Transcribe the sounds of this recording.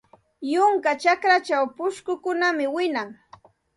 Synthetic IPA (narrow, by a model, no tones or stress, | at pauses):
jʊŋkat͡ʃakɾat͡ʃawpʊʃkʊkʊnamɪwɪnaŋ